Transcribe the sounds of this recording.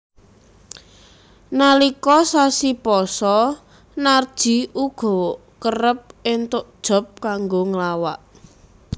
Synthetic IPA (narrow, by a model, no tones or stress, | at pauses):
nalikɔsasipɔsɔ | nard̥ʒ̥i̤ʔuɡ̥ɔ̤ | kərəp̚ɪnt̪ʊʔd̥ʒ̥ɔ̤p̚kaŋɡoŋəlawaʔ